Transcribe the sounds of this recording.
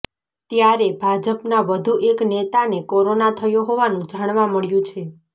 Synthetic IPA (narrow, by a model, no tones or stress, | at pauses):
t̪jaɾebʱad͡ʒəpnaʋəd̪ʱuʔeknet̪anekoɾonat̪ʰəjõɦoʋanũd͡ʒaɽ̃ʋaməɭjũt͡ʃʰe